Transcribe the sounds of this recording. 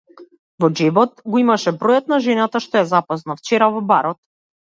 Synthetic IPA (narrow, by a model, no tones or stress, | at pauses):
vɔd͡ʒɛvɔt̪ɡɔimaʃɛbɾɔjat̪̚naʒɛnat̪aʃt̪ɔɛzapɔznaft͡ʃɛɾavɔbaɾɔt̪̚